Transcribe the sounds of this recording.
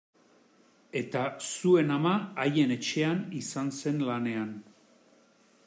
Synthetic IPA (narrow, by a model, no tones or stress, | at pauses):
e̞t̪asue̞namaːje̞ne̞t͡ʃe̞anisanse̞nlane̞an